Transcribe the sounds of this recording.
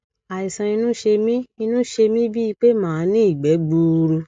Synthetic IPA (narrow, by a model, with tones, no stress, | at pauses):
a˨i˨sã˨˧i˧nũ˦ʃe˧mĩ˦i˧nũ˦ʃe˧mĩ˦bi˦i˧k͡pe˦mãː˦˨˦nĩ˦i˦˨ɡ͡bɛ˨˦ɡ͡bu˧ɾu˧